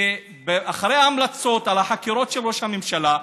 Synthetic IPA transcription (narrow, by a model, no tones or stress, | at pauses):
beʔaχaɾejaːmlat͡so̞t̪alaħakiɾo̞t̪ʃeloʃamimʃala